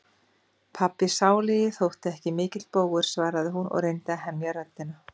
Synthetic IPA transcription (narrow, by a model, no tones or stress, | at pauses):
pʰapːɪsaːwlɪjɪθowht̪ɛhcɪmɪːcɪt̪lpoːwɣʏɾ̥svaːɾaðɪɦunʔɔ̰ɣrejnt̪ɪaɦɛmjaɾat̪ːɪna